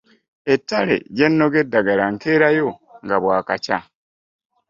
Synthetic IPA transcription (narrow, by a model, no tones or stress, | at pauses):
etːalḛɟenːo̞ɡe̞dːaɡalaŋkeːɾajo̞ŋɡaβwaːkaca